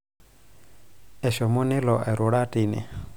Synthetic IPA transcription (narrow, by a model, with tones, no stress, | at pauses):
ɛ˨ʃɔ˨mʊ˦ni˦lɔ˨ʔɛ˨ɾu˨ɺa˦tʼi˨nḭ˨